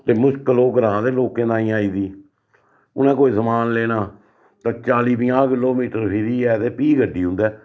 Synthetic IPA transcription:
t̪eːmʊʃkəloːɡəɾãːd̪eːloːkẽːd̪ãːĩːaːiːd̪iː | ʊnẽːkoːiːsəmaːnleːnaː | t̪ãːt͡ʃaːliːpɪːãːkɪloːmiːʈəɾpʰɪɾiːɛːt̪eːpiːɡəɖːiːɦʊ̃nd̪ɛː

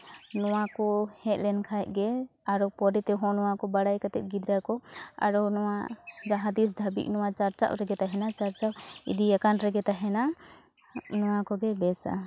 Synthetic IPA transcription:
nɔwakɔhɛt̪̚lɛnkʰajt̪̚ˀɡɛaɾɔpɔɾɛt̪ɛɦɔ̃nɔwakɔbaɽajkat̪ɛt̪̚ɡid̪ɾakɔa̰ɾɔnɔwad͡ʒaɦad̪is̬d̪ʱabḭk̚nɔwat͡ʃaɾt͡ʃa̰wɾɛɡɛt̪aɦɛnat͡ʃaɾt͡ʃawḭd̪iɛkanɾɛɡɛt̪aɦɛna | nɔwakɔɡɛbɛsa̰

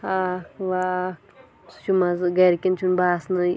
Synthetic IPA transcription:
hakʋak | st͡ʃumazɡɐɾkʲint͡ʃʰunbaːsnɐ

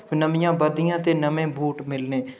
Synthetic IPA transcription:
nəmɪjãːbəɾd̪ɪjãːt̪eːnəmẽːbʱuːʈmɪlnẽː

